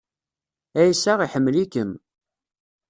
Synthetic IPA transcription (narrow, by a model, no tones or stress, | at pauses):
æjsaʁiħəmːlikəm